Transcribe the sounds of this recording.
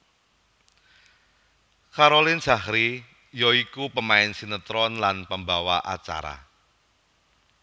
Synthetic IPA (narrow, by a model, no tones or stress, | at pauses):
kaɾolɪn̥ʒ̥a̤hɾi | jɔikupəmaɪnsinət̪ɾɔnlanpəmbawaʔat͡ʃa̰ɾa̰